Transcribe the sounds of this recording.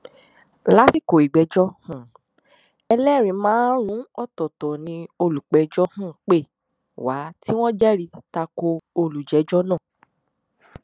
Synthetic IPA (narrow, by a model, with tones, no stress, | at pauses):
la˦si˦˨ko˨i˨ɡ͡bɛ˨˦d͡ʒɔ˦hũ˦˨ | ɛ˧lɛ˦˨ɾ̃ĩ˨˦mãː˦ɾ̃ũ˨˦ɔ˦˨tɔ˨tɔ˨nĩ˧o˧lu˨k͡pɛ˨˦d͡ʒɔ˦hũ˦˨k͡pe˦˨ | wa˨˦ti˦w̃ɔ̃˦d͡ʒɛ˦ɾi˧ta˧ko˧o˧lu˨d͡ʒɛ˨˦d͡ʒɔ˦nã˦˨